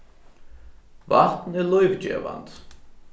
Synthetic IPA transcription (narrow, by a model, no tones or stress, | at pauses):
vaht̪nɛlɔjvd͡ʒɛ̰ːva̰nt̪